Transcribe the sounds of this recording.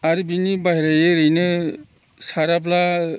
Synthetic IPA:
aɾibinibaɦɾajɯɾɯjnɯ | saɾapla

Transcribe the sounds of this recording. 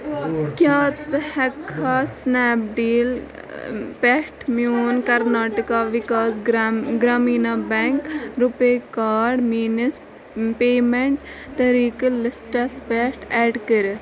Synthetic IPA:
kjaːt͡shɛkʰːasnɛːp̚ɖiːl | pesʈmijoːnkɐɾnaːʈəkaːʋikaːsɡɾaːmiːnabɛ̃ŋkɾupekaːɾɖmiːnis | peːmeɳʈ | t̪ɐɾiːklɪsʈɐspeːsʈɛːɖkəɾ

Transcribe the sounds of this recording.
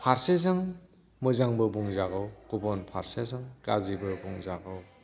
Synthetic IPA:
pʰaɾsesaŋ | mɯzaŋbɯbuŋzaɡɯwkubɔnpʰaɾsesaŋkazibɯbuŋzaɡɯw

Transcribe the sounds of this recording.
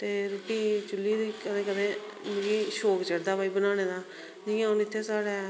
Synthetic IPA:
t̪eːɾoːʈːiːt͡ʃʊlːiːd̪iːkəd̪ẽːkəd̪ẽː | mɡiːʃoːkt͡ʃəɽd̪aːbaːiːbənaːneːd̪aː | d͡ʒijãːɦʊnɪt̪ʰːeːsaːɽɛː

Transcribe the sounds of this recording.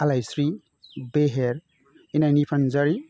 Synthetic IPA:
alajsɾi | beɦeɾ | inanipʰanzaɾi

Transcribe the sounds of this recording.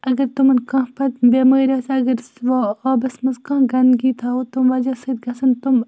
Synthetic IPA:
ɐɡɐɾt̪umɐnkãːpɐt̪̚bemɐːɾaːsɐɡɐɾʋaaːbɐsmɐskãːɡɐnd̪ɡiːt̪ʰaːot̪umʋɐd͡ʒaːsɐd̪ɡɐsɐnt̪um

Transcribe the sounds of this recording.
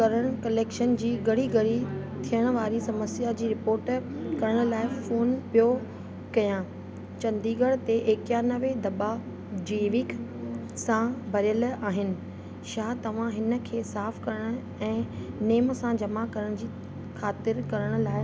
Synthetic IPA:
kɐɾəɽ̃kɐleːkʃənd͡ʑiːɡɐɽ̤iɡɐɽ̤it̪ʰijəɽ̃ʊ̆ʋaːɾisɐməsjad͡ʑiːɾɪpoːɾʈkɐɾəɽ̃ʊ̆laːɪfoːnpijo | kɐjã | t͡ɕɐ̃nd̪iːɡəɽt̪eʔeːkjanɐʋed̪ɐba | d͡ʑiːʋɪk | sãbʱɐɾjəlaːɦɪnɪ̆ | ʃaːt̪ɐʋ̤ãɦɪnə̆kʰeːsaːfkɐɾəɽ̃ʊ̆ | ɛ̃ːneːmsãd͡ʑɐmakɐɾəɽ̃d͡ʑiː | xʰaːt̪ɪɾkɐɾəɽ̃ʊ̆laːɪ

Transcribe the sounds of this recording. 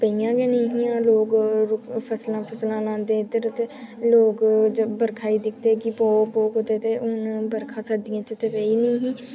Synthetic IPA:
pəijãːɡeːnəĩːɦĩãːloːɡɾʊpʰəslãːpʰəslãːlãːnd̪ẽːɪd̪əɾt̪eːloːɡd͡ʒəbəɾkʰaːiːd̪ɪkʰd̪eːkɪpɔːpoːkot̪eːt̪eːʔʊnbəɾkʰãːsəd̪ɪjãːt͡ʃət̪eːpeːiːniĩːɦĩː

